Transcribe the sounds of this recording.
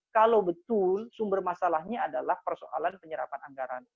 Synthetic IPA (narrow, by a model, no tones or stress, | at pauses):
kalawbət̪ʊlsumbərmasalahɲaːdalahpərso̰ʔa̰lanpəɲəɾa̰panaŋɡaɾan